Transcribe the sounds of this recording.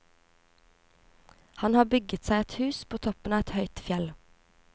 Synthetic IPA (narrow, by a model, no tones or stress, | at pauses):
hɑnhɑːbʏɡət̪sæɪɛt̪hʉːspʰoːt̪ʰɔpən̩ɑːɛt̪hœʏt̪fjɛl